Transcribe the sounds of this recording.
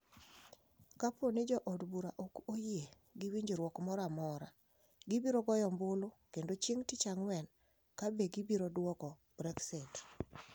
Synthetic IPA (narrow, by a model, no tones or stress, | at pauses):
kaponɪd͡ʒɔʔɔdbuɾaʔokoje | ɡɪwiɲd͡ʒeɾwɔkmɔɾamɔɾa | ɡɪbiɾoɡɔjɔmbʊlokendot͡ʃiŋtɪt͡ʃaŋwɛn | kabeɡɪbiɾodwɔkɔ | bɾɛksɪt